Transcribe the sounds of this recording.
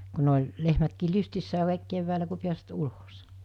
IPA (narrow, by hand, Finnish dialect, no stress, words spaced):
ku ne olʲ lehmætkiː lystisːæː kɑˑiˑk keʋːæːlæ ku piæsʋæt ulos